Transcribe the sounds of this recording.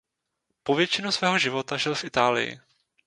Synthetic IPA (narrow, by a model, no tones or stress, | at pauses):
po̞vjɛt͡ʃɪnusvɛːɦo̞ʒɪvo̞t̪aʒɪlfʔɪt̪aːlɪ̰jɪ̰